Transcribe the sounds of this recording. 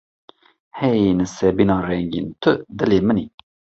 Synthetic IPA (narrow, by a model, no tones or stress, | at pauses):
hɛjenɨsɛbinɑːrɛŋɡḭːnt̪ʰɨd̪ɨleːməni